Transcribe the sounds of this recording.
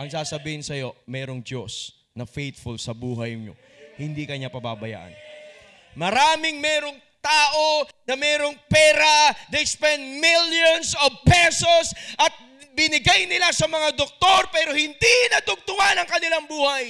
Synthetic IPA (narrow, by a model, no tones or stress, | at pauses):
ʔɐŋsaːsɐbiːhɪnsɐjo̞̰mɛːɾoŋd͡ʒo̰s | nɐfejt̪fʊlsɐbuːɦɐjɲo̰ | hɪnd̪ikɐɲapɐba̰bɐja̰ːʔɐ̰n | mɐɾaːmɪŋmɛːɾoŋ | t̪aːʔo̞nɐmɛːɾo̞ŋpɛːɾɐd̪ejspɛnd̪̚miljonsovpɛso̞sʔɐt̪̚ | bɪnɪɡajnɪlasɐmɐŋad̪ok̚t̪o̞ɾpɛːɾo̞hɪnd̪inɐd̪ʊɡ̚t̪ʊwanɐŋkɐnɪlaŋbuːhɐj